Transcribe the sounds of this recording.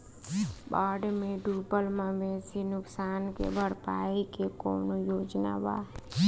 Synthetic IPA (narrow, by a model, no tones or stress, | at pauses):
baːɖmẽɖuːbəlmãbeːsinʊksaːnkḛbʱəɽpaːikeko̰ːnojoːd͡ʒna̰ba̰